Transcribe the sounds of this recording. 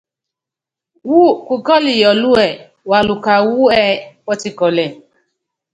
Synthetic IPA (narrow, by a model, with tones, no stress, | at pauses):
wu˦ku˨ɡɔ˦li˨jɔ˨lu˦ɛ˨ | wa˨lu˨ka˨wu˦ɛ˦wɔ˦ti˦kɔ˨lɛ˨